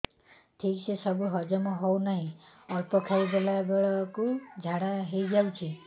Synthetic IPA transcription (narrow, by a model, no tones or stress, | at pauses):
ʈʰiksesɔbuɦɔd͡ʒɔmɔɦɔwnaɦĩ | ɔɾpɔkʰajbelabeɭɔkud͡ʒʱaɽaɦejd͡ʒawt͡ʃʰi